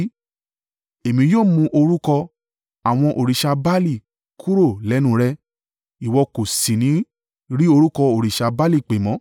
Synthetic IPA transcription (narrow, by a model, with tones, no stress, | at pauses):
e˨mĩ˧˦joː˦˨mũ˧ʔo˧ɾu˦kɔ˧ | a˨w̃ɔ̃˧ʔo˨ɾi˨ʃa˧ba˦li˦˨ | kʰu˦ɾo˦˨lɛ˨˦nũ˦˨ɾɛ˧ | i˨wɔ˧ko˨si˨nĩ˨˦ | ɾi˦o˧ɾu˦kɔ˧o˨ɾi˨ʃa˧ba˦li˦˨k͡pe˨mɔ̃˨˦